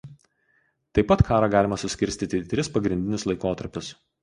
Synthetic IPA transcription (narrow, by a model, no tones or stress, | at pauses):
t̪ɐɪpːɐt̪kʰɑːɾɑːɡɑːlʲɪmɐsʊsʲkʲɪɾʲsʲt̪ʲit̪ʲɪt̪ʲɾʲɪspɐɡɾʲɪnʲd̪ʲɪnʲɪslˠɐɪkoːt̪ɐɾʲpʲʊs